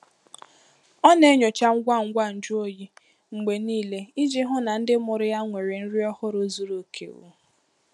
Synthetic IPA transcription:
ɔ˦ne˦ɲo˨t͡ʃa˦ŋ̩˦ɡʷa˦˨ŋ̩˦ɡʷa˦n̩˨d͡ʒʊ˦o˦ji˦ | ŋ͡m̩˨ɡ͡be˨niː˦le˦i˦d͡ʒe˦ɦʊ˦na˨n̩˦dɪ˦mʊ˨ɾɪ˦ja˦ŋʷe˨ɾe˨n̩˦ɾi˦ɔ˦hʊ˦ɾo˦zu˦ɾo˨˦kʰḛ˨ṵ˨˦˨

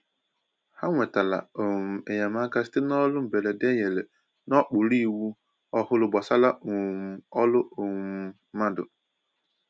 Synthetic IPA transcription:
ha˦ŋʷɛ˨ta˨la̰˨o˨m˨e˨ja˨ma˦ka˦sɪ̥˦tɪ˦n˦ɔ˦lʊ˦m̩˨be˨le˨dɛ˦je˨le˨ | n˦ɔ˦k͡pʊ˨ɾi˦˨wu˦ | ɔ˦hʊ˦lʊ˨bɔ˨sa˦la˦o˨m˨ɔ˦lʊ˦o˨˦mã˦dʊ̰˨

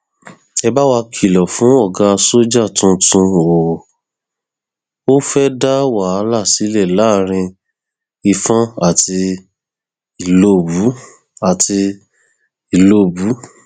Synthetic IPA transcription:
ɛ˧ba˦wa˧kʰi˨lɔ˨fũ˨˦ɔ˦˨ɡa˧˦˧so˦d͡ʒa˦˨tũ˦tũ˧o˨ | o˦fɛ˦da˦wa˦˨a˧˦la˦˨si˨˦lɛ˦˨la˦ɾ̃ĩ˧ | i˧fã˦a˦˨tʰi˧ | i˨lo˦˨bu˨˦ | a˨tʰi˧ | i˨lo˦˨bu˨˦

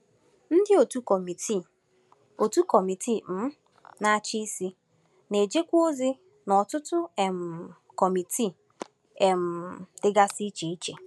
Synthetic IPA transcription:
n̩˦dɪ˦o˨tu˦kmi˨ti˨ | o˨tu˦kɔ˨mi˨ti˦˨m̩˦ | na˦t͡ʃi˦i˦si˦ | ne˨d͡ʒe˦kʷu˦o˦zi˦ | nɔ˨tʊ˦tʊ˦e˨m̩˨ | kɔ˨mi˨tʰi˦˨ | e˨m̩˨d̥ɪ˦ɡa˦si˦t͡ʃe˨i˦t͡ʃe˨

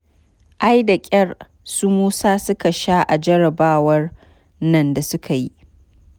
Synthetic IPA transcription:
ʔa˦jda˨kʲʼɐ˦r | su˦muː˦saː˦sʊ˦ka˨ʃa˦ʔa˨d͡ʒɐ˦ɾɐ˨baː˦wɐ˦r | nɐ˦˨nda˨sʊ˦kʰa˨ji˦ʔ

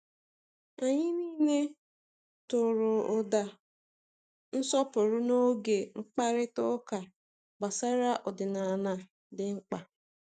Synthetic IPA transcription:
a˨ɲɪ˦niː˦ne˦ | tʊ˨ɾʊ˨ʊ˨da˨ | n̩˦sɔ˦pʊ˨ɾʊ˦no˦ɡe˨ŋ͡m̩˦k͡pa˦ɾɪ˦tʊ˦ka˨ | ɡ͡ba˨sa˦ɾa˦ʔɔ˨dɪ˨na˨na˨ | dɪ˨ŋ͡m̩˦k͡pa˨

